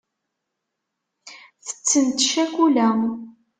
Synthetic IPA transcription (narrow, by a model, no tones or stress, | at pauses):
θə̥t͡sːənt̪ʃækʷulæm